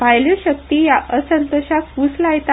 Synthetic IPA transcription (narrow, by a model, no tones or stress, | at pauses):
pajləɕək̚t̪iːjaʔəsənt̪oɕakuslajt̪a